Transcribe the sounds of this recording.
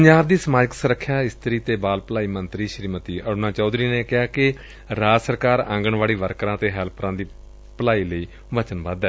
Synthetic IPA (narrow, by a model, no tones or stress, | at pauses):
pəɲd͡ʒaːbd̪iːsəmaːd͡ʒəksəɾəkʰːjaːɪst̪əɾiːt̪eːbaːlpəlaːiːmənt̪ɾiːʃɾiːmət̪iːəɾnãːt͡ʃɔːd̪ɾiːneːkɪɦaːkɪ | ɾaːsəɾkaːɾã̰ːŋɡəɳʋaːɽiːʋəɾkɾãːt̪eːɦɛːlpʰɾãːd̪iː | pəlaːiːləiː | ʋət͡ʃənʋə̃d̪ɛː